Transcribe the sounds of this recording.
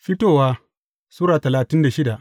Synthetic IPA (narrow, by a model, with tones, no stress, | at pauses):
ɸi˦toː˦˨waː˦ | suː˦ɾaː˨tɐ˨laː˨tɪ˦nda˨ʃɪ˦da˨ʔ